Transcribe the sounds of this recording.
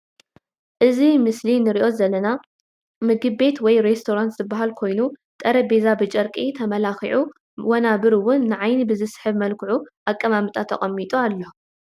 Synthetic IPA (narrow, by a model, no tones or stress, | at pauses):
ʔɨzimɨslinɨɾiʔo̞zɐlːɐna | mɨɡɨβːe̞t̪wɔjɾe̞st̪ʰoɾant̪z̥ɨbːaɦalkʰo̞jnut̪ʼɐɾɐbe̞zabɨt͡ʃʼɐɾkʼit̪ʰɐmɐlaxḭʕu | wɐnaβɨɾwʊnːɨʕajnibɨzɨsɨ̥ħɨβmɐlkʰɨʕuʔakʼːɐmamɨt̪ʼʰat̪ʰɐχʼɐmːit̪ʼualːo